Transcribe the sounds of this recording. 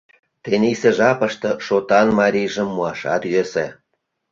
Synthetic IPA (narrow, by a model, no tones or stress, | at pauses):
t̪enʲiseʒɑpə̆ʃt̪ɤ̆ʃot̪ɑnmɑɾʲijʒə̆mːuɑʃɑ̰t̪jøse